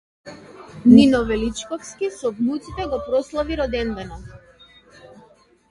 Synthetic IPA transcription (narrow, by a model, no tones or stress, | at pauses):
ninɔvɛlit͡ʃkɔfskisɔbnut̪sit̪ɛɡɔpɾɔslˠaviɾɔd̪ɛnd̪ɛnɔ